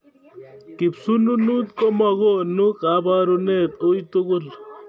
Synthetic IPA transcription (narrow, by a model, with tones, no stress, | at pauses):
ki˨psu˦nu˦nu˦t̪̚ko˦ma˨ɣo˦nu˦ka˨˦ba˦ɾo˦nɛ˦˨t̪o˦i˦t̪o˦ɣo˦l